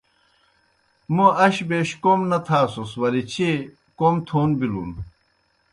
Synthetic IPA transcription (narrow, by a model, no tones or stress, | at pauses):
muɐɕbeɕkomnɐt̪ʰaːsoswɐlit͡ɕʰe | komt̪ʰoːnbilṵn